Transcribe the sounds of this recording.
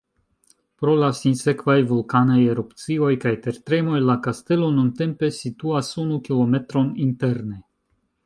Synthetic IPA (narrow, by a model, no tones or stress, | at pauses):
pɾo̞lasinse̞kvajvulkanajeɾupt͡sio̞jkajte̞ɾtɾe̞mo̞jlakaste̞lo̞nunte̞mpe̞situasunukilo̞me̞tɾo̞ninte̞ɾne̞